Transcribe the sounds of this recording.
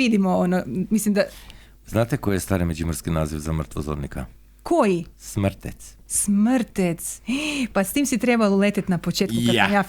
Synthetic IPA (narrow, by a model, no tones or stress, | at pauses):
id̪imoonomislimd̪a | znat̪ɛkojɛst̪aɾɛmɛd͡ʒiməɾskinazivzamrt̪vozo̰ɾnika | kʰojismɾt̪ɛt̪s | smɾt̪ɛt̪spast̪imsit̪ɾebalˠolet̪ɛt̪napot͡ʃet̪kukkasmjaː